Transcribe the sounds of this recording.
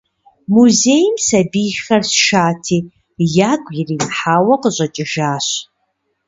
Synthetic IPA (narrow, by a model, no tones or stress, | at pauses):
muzejmsɐbiːxxɐrsʃaːtʰiː | jaːɡʷʼjɪrimħaːwɐqəɕʷʼɐt͡ʃʼɪʒaːɕ